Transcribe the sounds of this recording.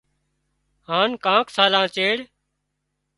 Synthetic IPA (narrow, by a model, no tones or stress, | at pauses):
haːnkãːksaːlãːt͡ʃeːɽ